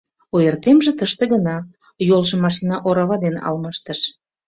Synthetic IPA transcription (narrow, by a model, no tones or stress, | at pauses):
ojert̪emʒĕt̪əʃt̪ĕɣənɑ | jolʒəmːɑʃ̬inɑʔoɾɑβɑd̪enɑ̰lmɑʃt̪əʃ